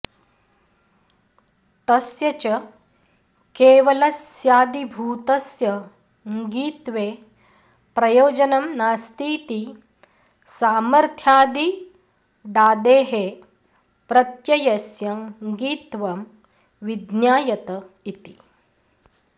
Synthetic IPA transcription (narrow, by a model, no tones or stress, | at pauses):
t̪ɐsjɐt͡ʃɐ | keːʋɐlɐsjaːd̪ibʱuːt̪ɐsjɐ | ŋɡiːt̪ʋeː | pɾɐjoːd͡ʒɐnɐmnaːst̪iːt̪i | saːmɐɾt̪ʰjaːd̪i | ɖaːd̪eːɦe | pɾɐt̪jɐjɐsjɐŋɡiːt̪ʋɐm | ʋid̪njaːjɐt̪ɐ | it̪i̥